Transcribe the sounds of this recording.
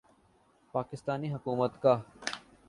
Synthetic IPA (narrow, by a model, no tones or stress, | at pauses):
paːkɪst̪aːniːɦəkuːmət̪kaː